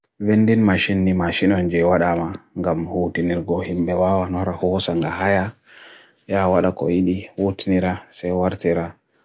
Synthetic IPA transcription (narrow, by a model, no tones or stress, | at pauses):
vendinmaʃinːimaʃinɔnd͡ʒɛjwaɗamaŋɡamhutiniɾɡɔhimbɛwawanɔɾahɔsaŋɡaɦaja | jawaɗakɔ̰jiɗiwotiniɾasajwaɾtiɾa